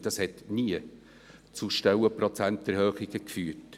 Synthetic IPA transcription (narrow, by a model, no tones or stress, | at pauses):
d̥ɑshɛtniə | t͡suʃtɛwəpɾɔt͡sæntɛɾhøːχɪɡ̥əkfyːɾt